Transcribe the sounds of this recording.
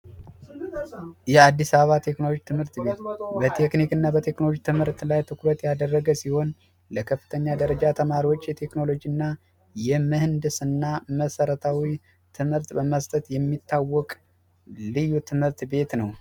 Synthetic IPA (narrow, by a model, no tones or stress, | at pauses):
jɛad̪ːisaβəβat̪ʰe̞knolod͡ʒt̪ʰɨmhɨɾt̪bet̪bət̪ʰe̞knikɨnːabət̪ʰe̞knolod͡ʒt̪ʰɨmhɨɾt̪lajt̪ʰɨkɾət̪jad̪ərːəɡəsiho̞n | ləkʰəfːɨ̥t̪ʰəɲːad̪əɾəd͡ʒat̪ʰəmaɾiwo̞t͡ʃːjɛt̪ʰe̞kno̞lo̞d͡ʒiɨnːa | jɛməhɨnd̪ɨsɨnːaməsəɾət̪ʰawi | t̪ʰɨmhɨɾt̪bəməst̪ʼət̪jɛmːit̪ʰːawːɔkʼ | lɨjut̪ʰɨmhɨɾt̪be̞t̪nəw